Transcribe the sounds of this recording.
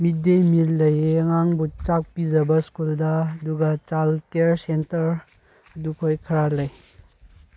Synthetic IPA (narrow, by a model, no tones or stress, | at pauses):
midemitlɐjeŋaŋbut͡ʃak̚pizɐbɐskuldɐɐduɡɐt͡ʃalkeɾsentɐɾ | ɐdukʰojkʰɐɾalɐj